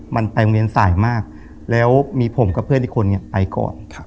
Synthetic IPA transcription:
mʔa˧npa˧jli˧ənsaː˩˦jmaː˥˩k̚ | lɛː˦˥wmiː˧pʰo˩˦mkɔ˥˩pʰɯ˥ənha˦˥˩kʰo˧nːi˥˩ɐpa˧jkɔ̰ː˨˩nkʰ

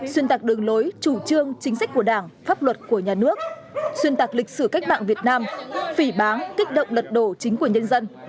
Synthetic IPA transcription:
swi˧ənt̪aː˨˩k̚ɗɨ˨˩əŋlo˨˦jt͡ɕu˧˩t͡ɕɨ˧əŋt͡ɕï˨˦ŋ̟sa̟˦˥ku˧˩əɗaː˧˩ŋfaː˦˥p̚lwə˨˩t̚ku˧˩əɲaː˨˩nɨ˦˥ək̚ | swi˧ənt̪aː˨˩k̚lï˨˩k̚sɨ˧˩ka˦˥k̟̚ma̰ː˧˨ŋvi˨˩ət̚naː˧mfi˧˩ɓaː˨˦ŋkï˦˥k̟̚ɗə̰˧˨wŋ͡mlə˨˩t̚ɗo˧˩t͡ɕï˨˦ŋ̟ku˧˩əɲə˧nzə˧n

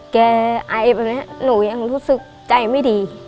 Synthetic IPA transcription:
kɛː˧˩ʔa˧˩jbɛː˨˩ni˦˥ɐ˦˨nuː˩˦ja˧ŋɾuː˦˥sɯ˨˩k̚t͡ɕa˧jma˥˩jdiː˧

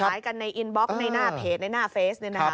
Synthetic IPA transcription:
jka˧nːa˧jʔi˧nbɔ˦˥k̚na˧jnaː˥˩pʰeː˨˩t̪̚na˧jnaː˥˩feː˦˥snɯ˧˩na˦k

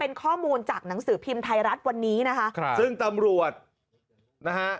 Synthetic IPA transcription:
pe˧nkʰɔː˥˩muː˧nt͡ɕaː˨˩k̚na˩˦ŋsɯː˩˦pʰi˧mt̪ʰa˧jɾa˦˥t̪̚wa˧nːiː˦˥na˦˥kʰa˦˥ʔsɯ˥˩ŋt̪a˧mɾu˨˩ət̪̚ | na˦˥ka˦˥ʔ

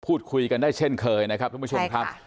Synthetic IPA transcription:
pʰuː˥˩t̪̚kʰu˧jka˧ndaː˥˩jt͡ɕʰe˥˩nkʰɤː˧jna˦˥kʰa˦˥t̪ʰːpːʰo˧mkʰa˦˥p̚

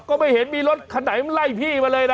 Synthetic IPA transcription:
kɔː˥˧˩ma˥˩jhe˩˦nmiː˧lo˦˥t̪̚kʰa˧na˩˦jm˧la˥˩jpʰiː˥˩maː˧lɤː˧jna˦˧

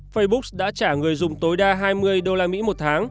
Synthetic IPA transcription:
fə˧jɓʊ˦˥k̚sɗa̰ː˧˥t͡ɕaː˧˩ŋɨ˨˩əjzʊ˨˩ŋ͡mt̪o˨˦jɗaː˧ɦaː˧jmɨ˧əjɗo˧laː˧mḭ˧˥mo˨˩t̚t̪ʰaː˨˦ŋ

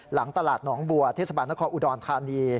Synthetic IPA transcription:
la˩˦ŋt̪a˧laː˨˩t̪̚nɔː˩˦ŋbu˨˩ɐt̪ʰeː˥˩sa˧baː˧nːa˦˥kʰɔː˧nʔuː˧dɔː˧nt̪ʰaː˧niː˧

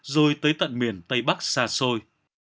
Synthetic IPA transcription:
zo˧jt̪əː˨˦jt̪ə̰˧˨nmi˨˩ənt̪ə˧jɓa˦˥k̚saː˧so˧j

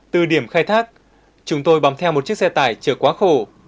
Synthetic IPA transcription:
t̪ɨ˧˨˩ɗi˧˩əmxaː˧jt̪ʰaː˦˥k̚ | t͡ɕʊ˨˦ŋ͡mt̪o˧jɓaː˨˦nt̪ʰɛ˧wmo˨˩t̚t͡ɕk̚sɛ˧t̪a̰ː˧˩jt͡ɕəː˧˩kwaː˨˦xo˧˩

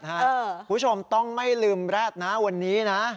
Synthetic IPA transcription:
haː˦˥˩uː˦˥˩t͡ɕʰo˧mt̪ɔ˥˩ŋma˥˩jlɯː˧mɾa˥˩t̪̚na˦˥wa˧nːiː˦˥na˦˥

